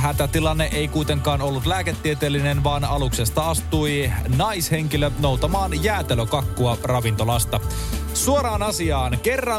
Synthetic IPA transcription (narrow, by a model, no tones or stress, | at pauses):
ɦæt̪æt̪ilɑnːeʔeikuit̪eŋkɑːnolːut̪læːket̪ːiet̪eːlːinenʋɑːnɑluksest̪ɑɑst̪uinɑisheŋkilːˑænout̪ɑmɑːnjæːt̪eløkɑkːuɑrɑʋint̪olɑst̪ɑ | suoɾɑːnɑsiɑːnkerːɑ